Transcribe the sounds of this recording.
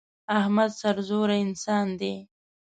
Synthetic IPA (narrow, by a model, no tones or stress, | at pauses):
ahmad̪saɾzoɾaɪnsɑːnd̪e